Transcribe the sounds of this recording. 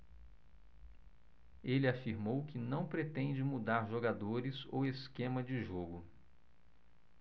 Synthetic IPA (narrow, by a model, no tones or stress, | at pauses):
elɪafiɾmowkɪnɐ̃w̃pɾet̪ẽnd͡ʒɪmud̪aɾʒoɡad̪oɾɪzo̰weskẽmɐd͡ʒɪʒoɡʊ